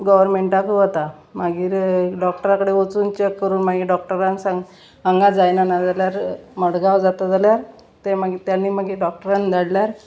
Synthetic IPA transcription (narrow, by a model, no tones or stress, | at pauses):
ɡəʋəɾmeɳʈakuʋət̪a | maɡiːɾɖɔkʈəɾakəɽeʋət͡suːnt͡ɕekːəɾuːnmaɡiːɖɔk̚ʈəɾãnsaŋɡ | aŋɡad͡zajnanad͡zaljaɾməɽɡawd͡zat̪ad͡zaljaɾ | t̪emaɡit̪janːiːmaɡiɖɔk̚ʈəɾand̪aɽljaɾ